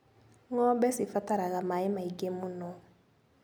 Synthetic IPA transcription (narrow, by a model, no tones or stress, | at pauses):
ŋɔbɛsifataɾaɣamaːimaiɡemunɔ